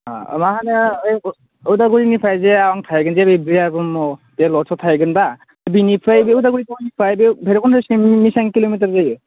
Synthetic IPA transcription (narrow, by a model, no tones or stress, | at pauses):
a̰maɦanɯj | udaɡuɾinipʰajzeaɔŋtʰajɡɯnzebebɾiaɡɔmɔbealɔɾsʰɔtʰajɡɯnba | binipʰɾajbeudaɡuɾitʰanipʰajbebʱeɾɔkʰɔnʰɔsmisaŋkilomitaɾzajɯ